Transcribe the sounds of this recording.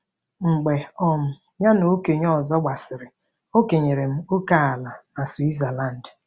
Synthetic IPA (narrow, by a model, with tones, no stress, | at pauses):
ŋ͡m̩˨ɡ͡be˨ɔ˨m̩˨ | ja˦no˨o˦ke˨ɲɔ˦˨zɔ˦ɡ͡ba˨sɪ˨ɾɪ˨ | o˦ke˨ɲe˨ɾe˨m̩˦u˦ka˦a˨la˨a˨swi˦za˨la˦˨n̩˨d